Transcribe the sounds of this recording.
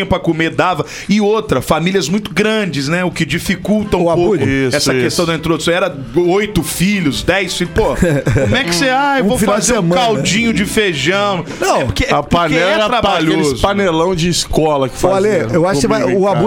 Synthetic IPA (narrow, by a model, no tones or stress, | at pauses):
ɐpɾɐkomeɾd̪avɐ | ɪot̪ɾɐfamiliɐzmũj̃t̪ʊɡɾɐ̃d͡ʒɪznɛʊkɪd͡ʒifikuwt̪ɐ̃w̃pokʊisɛsɐkest̪ɐ̃w̃d̪ɐĩt̪ɾod̪usɐ̃w̃ɛɾɐ | ojt̪ʊfiʎʊzd̪ɛjsfilʊpohɐomɛkɪ̥seaewvowfzeɾ̃kawd͡ʒĩɲʊd͡ʒɪfeʒɐ̃w̃nɐ̃w̃pʊɾkepanɛlɛɛɾabaʎeozpanelɐ̃w̃d͡ʒɪiskɔlɐkɪ̥faleewaʃvaʊabu